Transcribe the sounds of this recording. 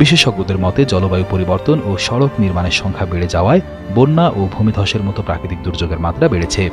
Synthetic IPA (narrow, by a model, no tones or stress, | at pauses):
biʃeʃɔɡ̚bod̪eɾmɔt̪ed͡ʑɔlobajupoɾibɔɾt̪onoʃɔɽokniɾmaneɾʃɔŋkʰabeɽed͡ʑaoae | bonːaʔobʱumid̪ʱɔʃeɾmɔt̪opɾa̰kɾit̪ik̚d̪uɾd͡ʑoɡeɾmat̪ːɾabeɽet͡ɕʰe